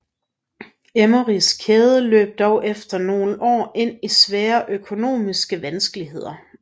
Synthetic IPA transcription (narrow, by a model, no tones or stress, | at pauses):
emoʁiskʰeːð̞ˠəlø̰ːb̥̚d̥ɒʊʔefd̥ɐno̝ːləʔɒ̰ːe̝n̰isʋæːɐʔøkʰo̝no̝̰ːmisɡ̥əʋænsɡ̥əliɦe̝ð̰ˠɐ